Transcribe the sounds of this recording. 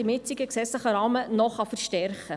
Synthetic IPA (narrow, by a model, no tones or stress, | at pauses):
ɪmɪt͡siɡəksɛt͡ssləχəɾɑːmənɔχɑfəɾʃtɛrχə